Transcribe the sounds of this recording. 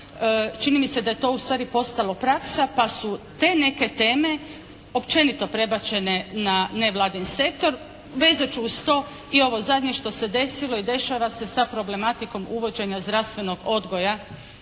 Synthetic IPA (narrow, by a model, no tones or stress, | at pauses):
t͡ʃinimise̞d̪aje̞t̪o̞ːust̪ʋaːɾipo̞st̪alˠopɾaksapasut̪e̞ːne̞ke̞t̪e̞ːme̞ | o̞pt͡ʃe̞nit̪o̞pɾe̞bat͡ɕe̞ne̞nane̞ʋlˠaːd̪inse̞kt̪o̞ɾ | ʋe̞ːzat͡ʃuust̪o̞ː | io̞ʋo̞zad̪ɲeʃt̪o̞sed̪e̞silˠo̞id̪e̞ʃaʋase̞sapɾo̞ble̞mat̪iko̞muʋo̞d͡ʑe̞ɲazd̪ɾast̪ʋe̞no̞ɡo̞d̪ɡo̞ja